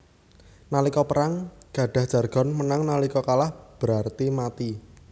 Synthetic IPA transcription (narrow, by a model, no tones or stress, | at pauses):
nalikɔpəɾaŋɡ̥ä̤ɖ̥a̤hʒ̥ä̤rɡ̥ɔ̤nmənaŋnalikɔkalahb̥əɾart̪imat̪i